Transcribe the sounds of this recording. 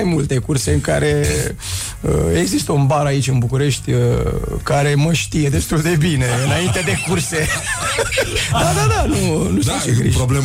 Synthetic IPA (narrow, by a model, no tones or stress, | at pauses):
ajmult̪e̞kurse̞ɨŋkaɾe | ə̰e̞ɡzist̪əunbaɾait͡ʃʲɨnbukuɾe̞ʃt̪ʲ | kaɾe̞məʃt̪ije̞d̪e̞st̪uld̪e̞bine̞ɨnaint̪e̞d̪e̞kurse̞ | d̪ad̪ad̪anunuit͡ʃɾḭɾoble